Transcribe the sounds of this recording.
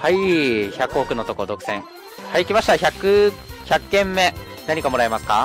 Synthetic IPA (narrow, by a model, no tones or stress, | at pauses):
haiçakɯ̟okɯ̟not̪o̞ko̞d̪o̞kɯ̟̥sẽ̞ŋ | haiːkʲimaɕi̥t̪açakɯ̟çakːẽ̞mːe̞ | naɲ̟ikamo̞ɾaemasɨ̥ka̰